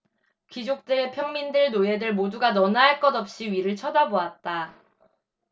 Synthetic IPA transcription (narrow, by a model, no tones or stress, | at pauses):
kid͡ʑok̚t͈ɯɾe̞pʰjʌŋmindɯɭnoe̞dɯɭmoduɡanʌnaɦːɭk͈ʌdʌp̚ɕ͈iɥiɾɯɭt͡ɕʰʌdaboat̚t͈a